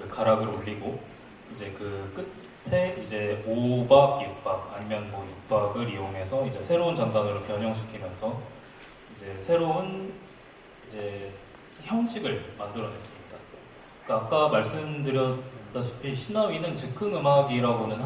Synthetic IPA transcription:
kɯkaɾaɡɯɾoʎːiɡo | id͡ʑe̞kɯk͈ɯ | tʰe̞id͡ʑe̞obaɡjuk̚p͈aɡ̚aɲimjʌnmʌjuk̚p͈aɡɯɾijoŋe̞sʰʌid͡ʑe̞sʰe̞ɾount͡ɕaŋdanɯɾopjʌɲɦʌŋɕʰi̥kʰimjʌnsʰʌ | id͡ʑe̞sʰe̞ɾoun | id͡ʑe̞ | çjʌŋɕʰiɡɯɭmandɯɾʌne̞s͈ɯmɲida | k͈aːk͈amaɭs͈ɯmdɯɾjʌt͈aɕʰi̥pʰiɕʰinawinɯnt͡ɕɯkʰɯnɯmaɡiɾaɡonɯn

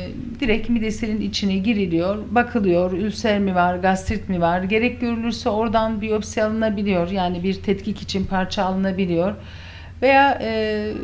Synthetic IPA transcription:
d̪iɾɛcmid̪eseninit͡ʃʰinɛɟiɾilʲijo̞ɾbakʰɯlˠɯjoɾylʲsæɾmivaɾɡast̪ʰɾit̪mivaɾɟe̞ɾɛc̚ɟø̞ɾylʲyɾsɛo̞ɾd̪anbijo̞psialˠɯnabilʲijoɾjaːnibiɾt̪ʰɛt̪cʰicit͡ʃʰinpʰaɾt͡ʃʰaːlˠɯnabilʲijo̞ɾ̥ | ve̞jaːɯː

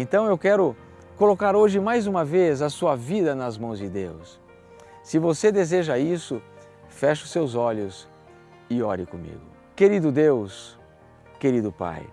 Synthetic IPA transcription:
ẽt̪ɐ̃w̃ewkɛɾʊ | kolokaɾoʒɪmajzũmɐvezɐsuɐvid̪ɐnɐzmɐ̃w̃zd͡ʒɪd̪ewsː | ɪvosed̪ezeʒɐisʊ | fɛʃɐʊsewzɔʎʊs | ɪɔɾɪkõmḭɡʊ̰ | keɾid̪ʊd̪ews | keɾid̪ʊpa̰j

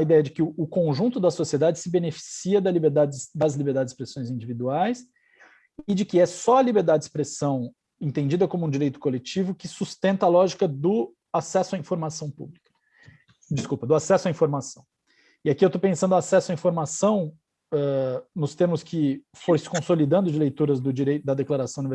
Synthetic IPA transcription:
ɐid̪ɛjɐd͡ʒɪkɪʊʊkõʒũnt̪ʊd̪ɐsosied̪ad͡ʒɪsɪbenefi̥siɐd̪ɐlibeɾd̪ad͡ʒɪsd̪ɐzlibeɾd̪ad͡ʒɪspɾesõj̃zĩnd͡ʒivid̪uajs | ɪd͡ʒɪkɪɛsɔɐlibeɾd̪ad͡ʒɪspɾesɐ̃w̃ | ẽt̪ẽd͡ʒid̪ɐkõmʊũd͡ʒiɾejt̪ʊ̥kolet͡ʃivʊkɪsust̪ẽnt̪ɐaːlɔʒikɐd̪ʊ | asɛsʊɐĩfoɾmasɐ̃w̃pṵblikɐ̥ | d͡ʒɪskupɐd̪ʊasɛsʊɐĩfoɾmasɐ̃w̃ | ɪakiewt̪opẽsɐ̃nd̪ʊasɛsʊɐĩfoɾmasɐ̃w̃ | ɛnʊst̪eɾmʊskʰɪ | foɾsɪ̥kõsolid̪ɐ̃nd̪ʊd͡ʒɪlejt̪uɾɐzd̪ʊd͡ʒiɾej̪d̪ɐd̪eklaɾasɐ̃w̃ʊnive

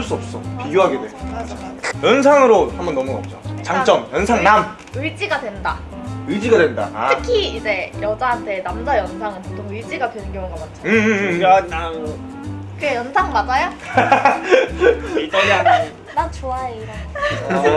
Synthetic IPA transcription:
ɭs͈uʌp̚s͈ʌpiɡjoɦaɡe̞dwe̞aajʌnsʰaŋɯɾohambʌnːʌmuʌp̚t͡ɕot͡ɕaŋt͡ɕ͈ʌmjʌnsʰaŋnam | ɯɭd͡ʑiɡadwenda | ɯɭd͡ʑiɡadwenda̰ɯkʰiːd͡ʑe̞jʌd͡ʑaɦantʰe̞namd͡ʑajʌnsʰaŋɯnpotʰoŋɯɭd͡ʑ͈iɡadwenɯnkjʌŋuŋɡʌmat͡ɕʰaɯ | a | kɯɡejʌnsʰaŋmad͡ʑajo | a | nat͡ɕoaɾan

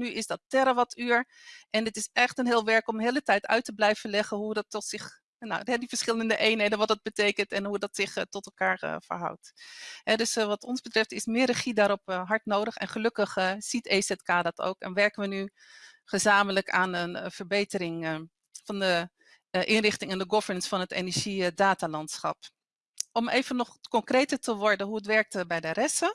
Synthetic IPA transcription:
nyɪsdɑtɛɾaʋɑtʰyːɹ | ʔɛndɪtɪsɛχtənɦɪːlˠʋɛɹkɔmɦeːlˠətɛjtœ̰ɥtəblɛjv̥əlɛχənɦudɑtɔtsɪχ | noɛdivəɹsχɪlˠəndəʔejnɦejdənʋɑtdɑd̚bətejkəntɛnɦudɑtsɪχtɔtɛlˠkaːɹ̰fə̰ɹɦʌ̰wtɦɛdɵsʋɑtɔnzbətrɛftɪsmɪːrəχidaːɾɔpɦɑɹtnowdəχɛ̰nχəlɵkəχəsitesɛtkaːdɔtʰo̰ːwkɛ̰nʋɛɹkənʋəny | χəzaːmələkʰaːnənvəɹbejtəɾɪŋ | fɑndə | ʔɪnrɪχtɪŋɛndəɡɔv̥əɹnənsfɑnɦətḛnəɹʒidaːtaːlɑntsχɑ̰p | ɔmeːvənːɔχkɔŋkrejtəɹtəʋɔɹdəɦuətʋɛɹk̚tbɛjdərɛsə

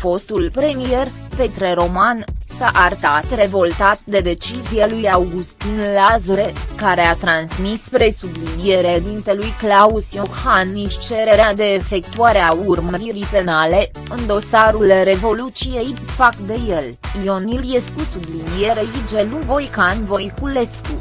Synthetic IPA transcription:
fo̞st̪ulpɾe̞mije̞r | pe̞t̪ɾeɾo̞mansaʔart̪at̪re̞vo̞lt̪at̪̚d̪e̞d̪e̞t͡ʃizijalujawɡust̪inlazɾekaɾe̞at̪ɾansmispɾe̞sublinijeɾed̪int̪e̞lujklausjohaniʃt͡ʃe̞ɾe̞ɾead̪e̞ːfe̞kt̪uaɾeauurməɾiɾipe̞nale̞ | ɨnd̪o̞saɾulre̞vo̞lut͡ʃije̞impak̚t̪̚d̪e̞jelio̞niljeskusublinijeɾeid͡ʒe̞luvo̞jkanvo̞jkule̞sku

